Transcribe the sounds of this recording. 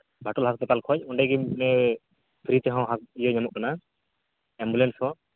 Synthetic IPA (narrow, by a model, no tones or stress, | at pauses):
bʱaʈɔlɦast̪ɛkalkʰɔc̚ɔɳɖɛɡinɛ | pʰɾit̪ɛɦɔ̃wɦaijɔɲamɔʔ̚kana | ɛmbulɛnshɔ